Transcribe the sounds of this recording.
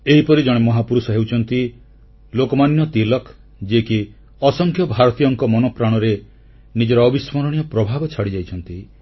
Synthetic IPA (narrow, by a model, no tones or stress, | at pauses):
eɦipɔɾid͡ʒɔɽ̃emɔɦapuɾusɔɦewt͡ʃʰɔnt̪i | lokɔmanjɔt̪ilɔkʰ | d͡ʒeki | ɔsɔŋkʰjɔbʱaɾɔt̪ijɔŋkɔmɔnopɾaɽ̃ɔɾe | nid͡ʒɔɾɔːbismɔɾɔɽ̃ijɔpɾɔbʱabɔt͡ʃʰaɽid͡ʒajt͡ʃʰɔnt̪i